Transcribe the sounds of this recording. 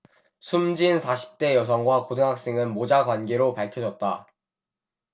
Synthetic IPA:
sʰumd͡ʑinsʰaɕʰi̥p̚t͈e̞jʌsʰʌŋɡwakodɯŋɦak̚s͈e̞ŋɯnmod͡ʑaɡwanɡe̞ɾopaɭkʰjʌd͡ʑʌt̚t͈a

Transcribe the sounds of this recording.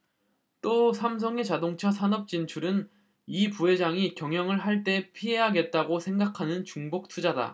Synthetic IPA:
t͈osʰams̬ʰʌŋe̞t͡ɕadoŋt͡ɕʰʌsʰanʌp̚t͡ɕ͈int͡ɕʰuɾɯn | ipuɦe̞d͡ʑaŋikjʌŋjʌŋɯɭɦaɭt͈e̞pʰiɦe̞ɦaɡe̞t̚t͈aɡosʰe̞ŋɡakʰanɯnt͡ɕuŋbok̚tʰud͡ʑada̰

